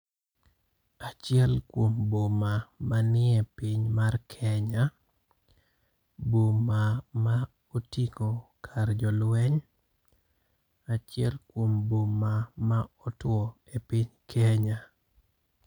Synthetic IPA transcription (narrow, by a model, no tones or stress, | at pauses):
at͡ʃɪɛlkwombomamanɪɛpiɪɲmarkʰɛɲa | bomama | otikokʰard͡ʒɔlwɛɲ | at͡ʃɪɛlkwombomamaɔtwɔ | epɪɲkʰɛɲa